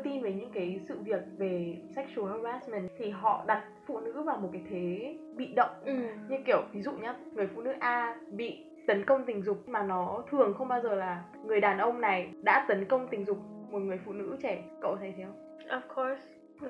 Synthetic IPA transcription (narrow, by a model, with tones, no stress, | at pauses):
t̪i˧nve˨˩ɲɨ̰˧˥ŋkaː˨˦jsɨ̰˧˨vi˨˩ək̚ve˨˩sa˦˥jk̟̚su˨˦ə˧waː˦˥smɛ˨˩nt̪ʰi˨˩ɦɔ̰˧˨ɗa˨˩t̚fṵ˧˨nɨ̰˧˥vaː˨˩wmo˨˩t̚kaː˨˦jt̪ʰe˨˦ɓḭ˧˨ɗə̰˧˨wŋ͡mɲɨ˧ki˧˩əwvi˨˦zṵ˧˨ɲaː˨˦˥ŋɨ˨˩əjfṵ˧˨nɨ̰˧˥ʔaː˧ɓḭ˧˨ | t̪ə˨˦nkə˧wŋ͡mt̪ï˨˩ŋ̟zʊ˨˩k͡p̚maː˨˩nɔ˨˦t̪ʰɨ˨˩əŋxə˧wŋ͡mɓaː˧wzəː˨˩laː˨˩ | ŋɨ˨˩əjɗaː˨˩nʔə˧wŋ͡mna˨˩jɗa̰ː˧˥t̪ə˨˦nkə˧wŋ͡mt̪ï˨˩ŋ̟zʊ˨˩k͡p̚mo˨˩t̚ŋɨ˨˩əjfṵ˧˨nɨ̰˧˥t͡ɕɛ˧˩kə̰˧˨wt̪ʰa˨˩jt̪ʰɛ˨˧əw | ʔɔ˨˩fkʰo˧˥s